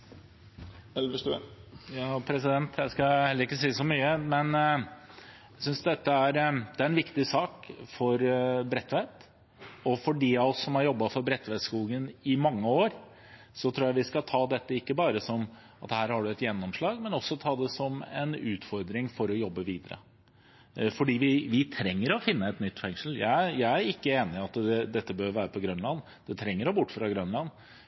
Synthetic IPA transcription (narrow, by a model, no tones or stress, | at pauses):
ɛlʋəʂʉjɑːpʰɾɛs̬ɪd̪ɛnt̪ʰjæɪskɑɛlːəɾɪkːəsiːsɔmyːəmɛn | æsʏnsd̪ɛt̪ːəæɾd̪̥ɛæɾɛnʋɪkt̪ɪsɑːkfɔɾbɾɛt̪ːʋæːt̪ | ɔfɔɖiːɑɔsːɔmhæɾjɔbːɑfɔɾbɾɛt̪ːʋæːt̪skuːɡənɪmɑŋːəoːɾ | sɔt̪ʰɾuːjæɪʋɪskɑt̪ʰɑːd̪ɛt̪ːəɪkːəbɑːɾəsɔm | ɑt̪hæːɾhɑɖʉɛt̪jɛnːɔmʂɭɑːɡmɛnɔsːɔt̪ʰɑːd̪ɛsɔmɛ̰nʉːt̪fɔɾd̪ɾɪŋfɔɾɔjɔbːəʋiːd̪əɾə̰ | fɔɖiːʋɪʋɪt̪ʰɾɛŋːəɾɔfɪnːəɛt̪nʏt̪ːfɛŋʂəl̩jæ̰ɪæjæɪæɾɪkːəeːnɪɑt̪d̪ɛd̪ɛt̪ːəbøːɾʋæːɾəpʰɔɡɾœnlɑn | d̪̥ɛt̪ʰɾɛŋːəɾɔbʊʈːfɾɑɡɾœnlɑn